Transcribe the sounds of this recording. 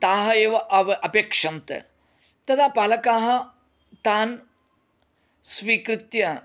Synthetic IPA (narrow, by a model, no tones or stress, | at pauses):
t̪aːɦɐeːʋɐʔɐʋʔɐpekʂɐnt̪ɐ̰ | t̪ɐd̪ʰʱapaːlɐkaːɦɐ | t̪aːn | sʋiːkɾɪt̪jɐ